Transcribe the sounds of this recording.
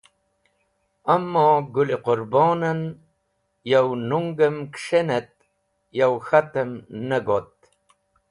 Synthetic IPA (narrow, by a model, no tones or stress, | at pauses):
ɐmːoːɡuliqʊɾbɑːnɐn | jawnuŋɡɐmkʂenet̪̚ | jawxat̪əmnɐɡot̪̚